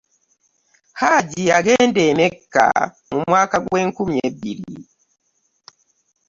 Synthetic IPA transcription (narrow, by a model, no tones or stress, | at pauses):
haɟiaɡeːndemekːa̰ | mumwaːkaɡweːŋkumieβiɾḭ